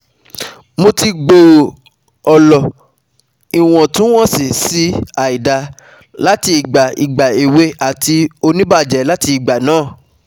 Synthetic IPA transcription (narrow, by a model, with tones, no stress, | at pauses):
mo˧ti˧ɡ͡bo˨ | ɔ˨lɔ˨ | i˨w̃ɔ̃˨tũ˨˦w̃ɔ̃˦˨si˨si˨˦a˨i˨da˨ | la˦ti˧i˨ɡ͡ba˨i˨ɡ͡ba˨i˨we˨˦a˨ti˧o˧nĩ˦ba˦˨d͡ʒɛ˨˦la˨˦ti˧i˨ɡ͡ba˨nãː˦˨